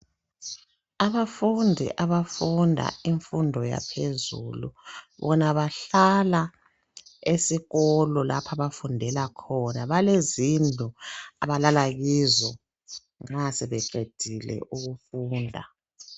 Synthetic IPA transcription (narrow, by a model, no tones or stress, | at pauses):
aβafundʱḭʔaβafundʱa̰iɱfundʱɔja̰pʰezṵlṵβɔnaβaɬala | esiɣɔlɔla̰pʰaβafundʱɛlakʰɔnaβalezind͡ɮʱuaβalalaɣiːzɔ | ŋ͡ǁasɛβɛǀed̥ʱilɛ̰ʔuɣufuːndʱa̰